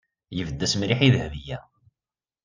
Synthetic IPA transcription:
jəvəd̪ːæsmɾiħiðhvijæ

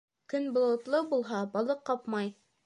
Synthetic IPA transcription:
kɵnbŏlˠɤ̆t̪lˠɤbulˠɦɑbɑlˠɤqːɑpmɑj

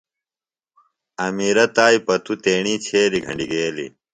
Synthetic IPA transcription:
ɐmiːɾɐt̪aːjpɐt̪ut̪eːɳiːt͡ɕʰeːɾiɡʱɐ̰ɳɖiɡeːlḭ

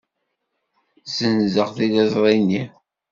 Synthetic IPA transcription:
zənzəʁθiðəzˤɾˤini

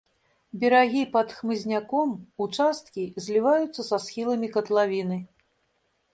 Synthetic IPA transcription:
bʲɛɾaɣʲipɐt̪xmɨzʲnʲakɔmut͡ʂast̪̚kʲizʲlʲivajut̪sːɐsasxʲilˠɐmʲikɐt̪lˠavʲinɨ

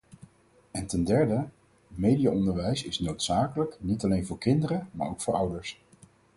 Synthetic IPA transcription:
ɛntɛndɛɹdə | mejdijaɔndəɹʋɛjsɪsnowtsaːkələknitɑlejnvʊːɹkɪndəɾəma̰ːɹowkfʊːɹʌwdəɹs

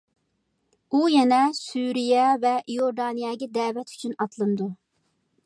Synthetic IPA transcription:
ujɛnɛsyɾijɛvɛjoɾd̪ɑːnijɑːɡʲɛd̪ɛːvɛt̪ʰy̥t͡ʃʰynɑt̪ʰlˠɨnd̪u

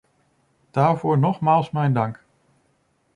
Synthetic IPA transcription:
d̥aːɹvʊːɹnɔχmaːlˠsmɛjndɑŋk

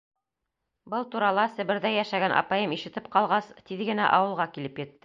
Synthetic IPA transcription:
bɤlˠt̪uɾɑlˠɑsɘ̆βɘ̆ɾðæjæʃæɡænʔɑ̰pɑjɤmiʃɘ̆t̪ɘp̚qɑlˠʁɑst̪iðɡɘ̆næ̰ʔɑwɤ̆lˠʁɑkilɘpjɘ̆t̪ːɘ

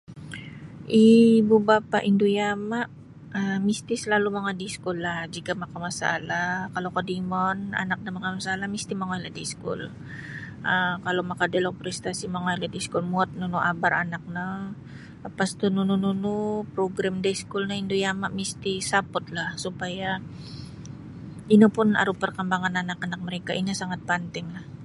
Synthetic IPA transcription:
ʔibubapa̰ʔindujamaʔ | amist̪isəlalumaŋadiskulːahd͡ʒikamakamasa̰lakalokədimɔna̰nak̚namakamasalamist̪imaŋajladiskṵl | ʔakalomakadɛlopɾɛst̪asimaŋajladiskulmuat̪̚nunuʔabaɾanak̚na | past̪ununununupɾoɡɾamdaskulnaind̪ujamaʔmist̪isapɔt̪̚lahsupaja | inupʊna̰ɾupərkambaŋanːanakanak̚məɾɛkaʔinasaŋat̪̚pant̪ɪŋlah

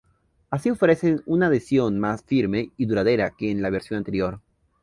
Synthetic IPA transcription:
asio̞fɾe̞senunaðesjo̞nmasfiɾme̞iðuɾaðe̞ɾakeːnlaβ̞e̞ɾsjo̞nant̪eɾjo̞ɾ

